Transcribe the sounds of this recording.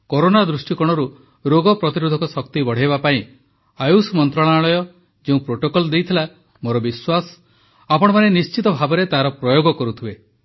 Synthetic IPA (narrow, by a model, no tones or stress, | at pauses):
kɔɾonad̪ɾusʈikɔɽ̃ɔɾu | ɾoɡɔpɾɔt̪iɾud̪ʱɔkɔsɔkt̪ibɔɽ̤ejbapaĩ | ajusmɔnt̪ɾaɭaɭɔjɔ | d͡ʒeũpɾoʈokɔlɔd̪ejt̪ʰila | moɾɔbiswasɔ̥ | apɔɽ̃ɔmanenist͡ʃit̪ɔbʱabɔɾet̪aɦɾɔpɾɔjoɡɔkɔɾut̪ʰibe